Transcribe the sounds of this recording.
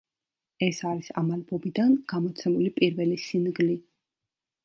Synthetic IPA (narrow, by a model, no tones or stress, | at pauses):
ɛsaɾisamalbɔbid̪anɡ̥amɔt̪sʰɛmulipʼiɾvɛlisinɡli